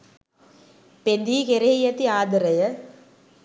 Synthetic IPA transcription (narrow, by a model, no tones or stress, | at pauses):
pend̪ikeɾejɐt̪ːiaːd̪ɯɾɐjɐ